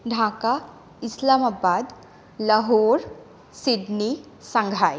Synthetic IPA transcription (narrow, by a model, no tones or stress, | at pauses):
ɖʱaːka | ɪslaːmabaːd̪ | lɐɦoːɾ | sɪɖni | sɐ̃ŋɡʱaːj